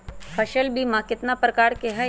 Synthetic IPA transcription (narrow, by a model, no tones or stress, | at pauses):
pʰɐʃəlbʱimãkɪt̪napɾɐkaːɾkeɦɛ